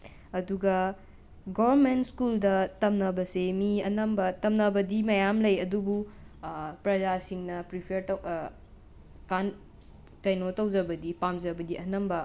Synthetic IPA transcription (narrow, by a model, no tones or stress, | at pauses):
ɐduɡɐ | ɡoβɐɾmentskuldɐtɐmnɐbɐsemiɐnɐmbɐtɐmnɐbɐdimɐjamlɐjɐdubu | pɾɐzasiŋnɐpɾipʰeɾt | kan | kɐjnotɐwd͡ʒɐbɐdipamzɐbɐdiʔɐnɐmbɐ